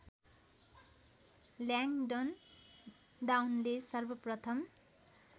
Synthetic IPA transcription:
ljaŋɖʌn | ɖawnlesʌrbʌprʌt̪ʰʌm

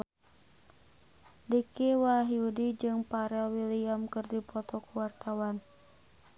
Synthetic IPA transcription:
dikiwaɦiudid͡ʒɨŋpaɾɛlwiliamkɨrdipɔt̪ɔkuwart̪awan

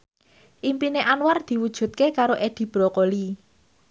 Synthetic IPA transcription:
ʔimpineʔanward̪̥i̤wud̥ʒ̥ṳt̪̚kekaɾoʔed̪̥i̤b̥ɾɔkoli

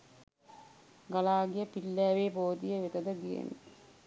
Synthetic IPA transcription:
ɡalaːɡijəpilːæːʋeːboːd̪ijəʋet̪əd̪əɡijḛni

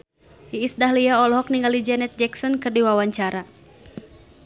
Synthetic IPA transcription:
iːsdaɦlijaɔlɔɦɔk̚niŋɡalid͡ʒɛnɛt̪̚d͡ʒɛksɔnkɨrdiwawaɲt͡ʃaɾa

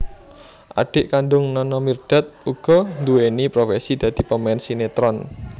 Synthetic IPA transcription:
ʔa̰ɖ̥ɪ̤ʔkaɳɖʊŋnɔnɔmird̥a̤t̪̚uɡ̥ɔ̤nd̪uwenipɾofɛsid̪̥ä̤d̪̥i̤pəmɛnsinet̪ɾɔn

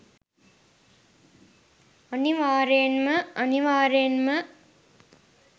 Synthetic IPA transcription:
əniʋaːɾenməəniʋaːɾenmə

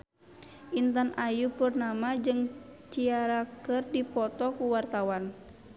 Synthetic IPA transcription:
ʔint̪anʔajupurnamad͡ʒɨŋt͡ʃiaɾakɨrdipɔt̪ɔkuwart̪awan

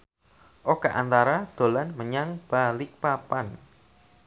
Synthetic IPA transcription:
ʔokaʔant̪aɾad̪̥o̤lanməɲaŋb̥alɪk̚papan

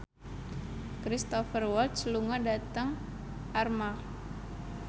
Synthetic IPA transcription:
kɾist̪ɔfərwɔlt̪̚sluŋadat̪əŋ | ʔarma

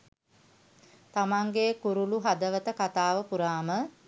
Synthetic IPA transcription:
t̪amaŋɡekuɾuluɦad̪əʋət̪əkat̪aːʋəpuɾaːmə

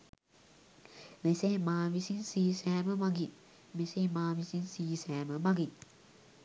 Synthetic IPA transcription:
mesemaːʋisinsiːsæːməmaɡin | mesemaːʋisinsiːsæːməmaɡin

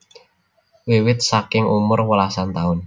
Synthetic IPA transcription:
wiwɪt̪̚sakɪŋumʊrwəlasant̪aʊn

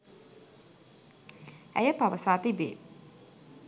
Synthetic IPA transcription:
æ̰jəpaʋəsaːt̪ibḛː

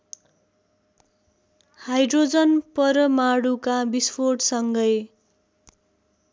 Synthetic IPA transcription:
hajɖrod͡zʌnpʌɾʌmaɽukabispʰoʈsʌŋɡʌj

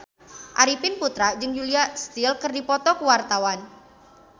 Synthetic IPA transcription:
ʔaɾipɪnput̪ɾad͡ʒɨŋjuliast̪ɪlkɨrdipɔt̪ɔkuwart̪awan

